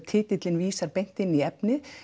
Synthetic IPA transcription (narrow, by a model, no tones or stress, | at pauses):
t̪ʰɪːt̪ɪt̪lɪnviːsaɾpejn̥t̪ɪnːiɛpnɪ